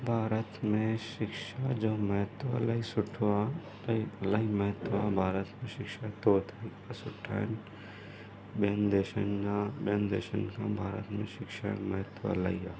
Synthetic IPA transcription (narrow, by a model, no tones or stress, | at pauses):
bʱaːɾət̪mẽʃɪkʃad͡ʒoːmɐɦət̪wə̰laisʊʈʰa | laiməɦət̪abʱaːɾət̪mẽʃɪkʃat̪oːt̪ʰa | sʊʈʰa̰ːn | beːnd̪eːʃənd͡ʒabend̪ḛːʃənkãbʱaːɾə̰t̪mḛ̃ʃɪkʃa̰mɐɦət̪ʋə̰la̰ia